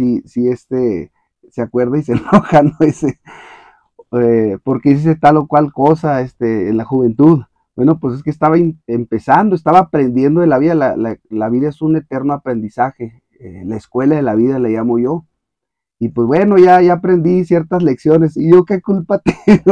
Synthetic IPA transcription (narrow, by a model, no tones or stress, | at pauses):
sisiest̪e | seakwe̞ɾðaisenoxanoese | epoɾkeis̬iset̪alo̞kwalkosaest̪eːnlaxuβe̞nt̪uð | bwenopwes̬e̞skeːst̪aβaimempesand̪oest̪aβaːpɾe̞nd̪je̞nd̪o̞ðelaβiðalalalaβiðaesune̞t̪e̞ɾnoapɾe̞nd̪isaxe̞ | elaeskwe̞laðe̞laβiðalaʝamo̞ʝo̞ | ipwezβwe̞no̞ʝaʝaapɾe̞nd̪isje̞ɾt̪azleksjo̞ne̞siʝo̞ke̞kulpat̪e̥